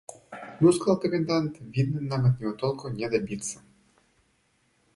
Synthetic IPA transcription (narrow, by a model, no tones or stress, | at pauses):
nuskˠɐlˠk̪ɔmʲind̪ant̪ʋʲid̪nɪnːamɪt̪̚nʲiɔt̪ɔlˠkɔnʲɛd̪ɐbʲit̪sɐ